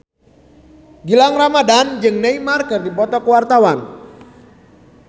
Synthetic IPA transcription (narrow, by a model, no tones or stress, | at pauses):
ɡilaŋramadand͡ʒɨŋneimarkərdipɔt̪ɔkəwart̪awan